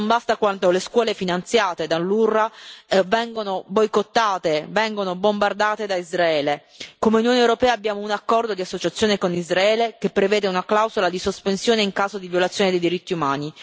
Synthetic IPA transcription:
nmbast̪akwant̪oleskwɔːlefinant̪sjaːt̪ed̪alːurːavɛŋɡonobojkot̪ːaːt̪evɛŋɡonobombard̪aːt̪ed̪aizɾaɛːle | komeunjoːnewɾopɛːaːbːjaːmounakːɔrd̪od̪iasːot͡ʃat̪sːjoːnekonizɾaɛːlekepːɾevɛːd̪eunaklawzolad̪isospensjoːneiŋkaːzod̪ivjolat̪sjoːned̪ejd̪iɾit̪ːiumaːni

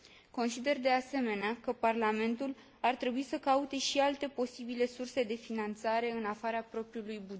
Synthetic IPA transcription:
ko̞nsid̪e̞rd̪e̞ase̞me̞neakəparlame̞nt̪ul | art̪ɾe̞buisəkaut̪e̞ʃialt̪e̞po̞sibile̞surse̞d̪e̞finant̪saɾe̞ɨnafaɾapɾo̞pɾiulujbud͡ʒe

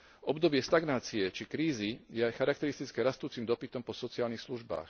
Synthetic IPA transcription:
ʔɔbd̪ɔbɪɛst̪aɡnaːt͡siɛt͡ʃikɾiːzijɛajxaɾakt̪ɛɾist̪it͡skɛɾast̪uːt͡simd̪ɔpit̪ɔmpɔsɔt͡siaːlnixsluʒba̰ːx

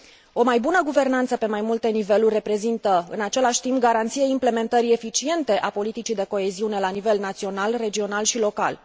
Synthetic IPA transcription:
o̞majbunəɡuve̞rnant̪səpe̞majmult̪e̞nive̞lurʲrːe̞pɾe̞zint̪əɨ̰nat͡ʃe̞laʃʲt̪impɡaɾant̪sijeimple̞me̞nt̪əɾie̞fit͡ʃie̞nt̪e̞ʔapo̞lit̪it͡ʃijd̪e̞ko̞e̞ziune̞lanive̞lnat̪sio̞nalre̞d͡ʒio̞nalʃilo̞ka̰l

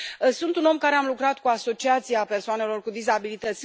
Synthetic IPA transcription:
əsunt̪uno̞mkaɾe̞amlukɾat̪kuaso̞t͡ʃiat̪sijeape̞rsoane̞lo̞rkud̪izabilit̪ət̪sʲ

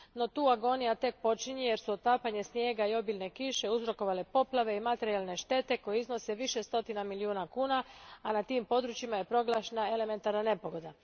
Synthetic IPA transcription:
no̞t̪uːaɡo̞nijat̪e̞k̚po̞t͡ʃiɲeje̞ɾsuot̪aːpaɲe̞snje̞ːɡaio̞bilʲne̞kiʃe̞uzɾo̞ko̞ʋale̞po̞plˠaʋe̞imat̪e̞ɾijalˠne̞ʃt̪e̞t̪e̞ko̞jeizno̞se̞ʋiʃe̞st̪o̞t̪inamiliuːnakuːnaanat̪iːmpo̞d̪ɾuːt͡ʃimaje̞pɾo̞ɡlˠaʃenae̞le̞me̞nt̪aɾnane̞po̞ɡo̞d̪a

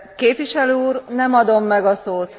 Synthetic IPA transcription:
keːpʋiʃɛløːuːrnɛmɒd̪o̞mːɛɡɒsoːt̪

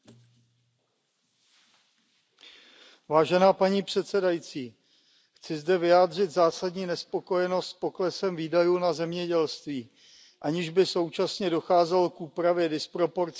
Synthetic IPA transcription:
vaːʒɛnaːpaɲiːpr̝̥ɛt̪sɛdajit͡siː | xt͡sɪzdɛvɪjaːdr̝ɪt̪zaːsadɲiːnɛspo̞ko̞jɛno̞st̪po̞klɛsɛmviːdajuːnazɛmɲɛɟɛlst̪viː | ʔaɲɪʒbɪso̞wt͡ʃasɲɛdo̞xaːzɛlkʔuːpɾavjɛdɪspɾo̞po̞ɾt͡s

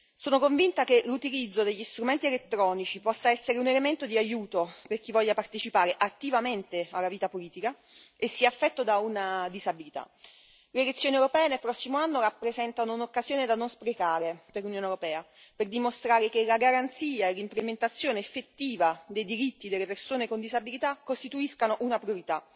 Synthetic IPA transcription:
soːnokoɱvint̪akelut̪ilid̪zːod̪eʎːist̪ɾument̪ielet̪ːɾɔːnit͡ʃipɔsːaɛsːeɾeunelement̪od̪iajuːt̪operk̟ivːɔʎːapart̪et͡ʃipaːɾeʔat̪ːivament̪ealːaviːt̪apoliːt̪ika | esːiafːɛt̪ːod̪aunad̪izabilit̪a̰ | lelet̪sːjoːniewɾopɛːenelpɾɔsːimoanːoɾapːɾezɛnt̪anounokːazjoːned̪anonspɾekaːɾeperlunjoːnewɾopɛːa | perd̪imost̪ɾaːɾek̟elaɡaɾant̪siːaelːimplement̪at̪sːjoːneːfːet̪ːiːvad̪ejd̪iɾit̪ːid̪elːepersoːnekond̪izabilit̪akːost̪it̪uiskanoʔunapɾjoɾit̪a

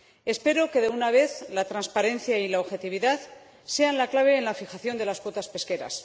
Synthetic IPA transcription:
e̞spe̞ɾo̞ke̞ðe̞unaβe̞θlat̪ɾanspaɾe̞nθjailaoβxe̞t̪iβ̞iðað | se̞anlaklaβ̞e̞ːnlafixaθjo̞nd̪e̞laskwo̞t̪aspe̞ske̞ɾa̰s

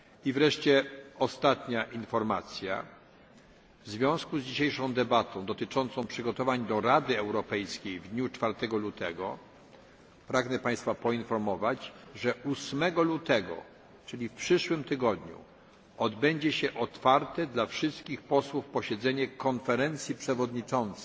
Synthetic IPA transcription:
ivɾɛʂt͡ɕɛɔst̪at̪ɲaʔinfɔɾmat̪sʲja̰ | vzvʲjɔ̃w̃skuzd͡ʑiɕejʂɔ̃w̃d̪ɛbat̪ɔ̃d̪ɔt̪ɘt͡ʂɔnt̪sɔ̃w̃pʂɘɡɔt̪ɔvaɲd̪ɔɾad̪ɘɛwɾɔpɛjskʲejvd̪ɲut͡ʂfaɾt̪ɛɡɔlut̪ʰɛɡɔ̰ | pɾaɡnɛpaj̃st̪fapɔinfɔɾmɔvad͡ʑʐɛʔusmɛɡɔlut̪ɛɡɔ̰ | t͡ʂɘlʲifpʂɘʂwɘmt̪ɘɡɔd̪ɲṵ | ɔd̪bɛɲd͡ʑɛɕɛʔɔt̪faɾt̪ɛd̪lafʂɘst̪kʲixpɔswufpɔɕɛd̪zɛɲɛkɔnfɛɾɛnt̪sʲjipʂɛvɔd̪ɲit͡ʂɔnt̪sɛ̥

